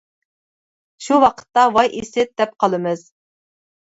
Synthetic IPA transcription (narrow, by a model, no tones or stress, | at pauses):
ʃuwɑqʰə̥t̪ːɑwɑjʔesɪd̪̥ɛp̚qʰɑlˠɨmɨz̥